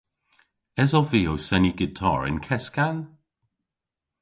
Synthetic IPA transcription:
ɛzɔviːowsɛniɡɪtʰɔ̰ːɹɪ̰nkʰɛskan

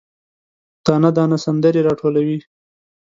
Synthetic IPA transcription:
t̪ɑːnad̪ɑnasand̪əɾeɾɑʈʰolawi

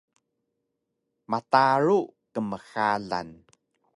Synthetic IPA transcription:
mataɾukəməxaɮa̰n

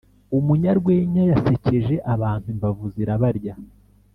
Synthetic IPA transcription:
umuɲaɾɡwe̞ːɲajase̞ce̞ʒe̞ʔaβaːn̥huimvavuziɾaβaɾɟa

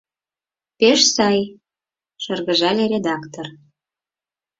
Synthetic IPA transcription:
peʃsɑj | ʃɤrɣə̆ʒɑlʲeɾʲed̪ɑkt̪or

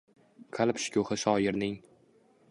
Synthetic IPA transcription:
kʰalˠpʃɪ̥kʲʰʊhɪʃɒjɪɾnɪŋ

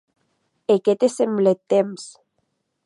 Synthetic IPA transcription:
eket̪esemblet̪ems

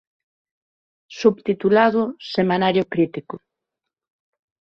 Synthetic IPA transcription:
suβt̪it̪ulaðʊsemanaɾjʊkɾit̪ikʊ

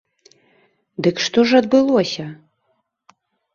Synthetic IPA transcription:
d̪ɨkʂt̪ɔʐɐd̪̚bɨlˠɔsʲɐ

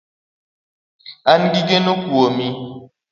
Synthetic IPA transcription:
anɡiɡenukuomi

